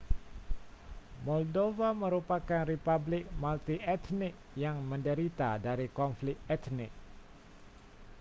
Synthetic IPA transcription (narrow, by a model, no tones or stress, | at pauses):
mɔldovaməɾupakanripablɪk̚malt̪iɛt̪nɪk̚jaŋməndəɾit̪adaɾikɔnflɪt̪ɛt̪nɪ̰k̚